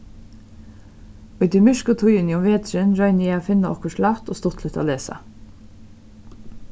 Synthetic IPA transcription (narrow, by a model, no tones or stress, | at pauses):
ʉʏd̪iːmʏʃkət̪ʰʊʏəniːʊmʋeːt̪ɾənɾœʏneːɑːfɪnəʔɔkəʃlɑft̪oːst̪ʊt̪ʰlət̪ʰɑ̰ːleːsɑ̰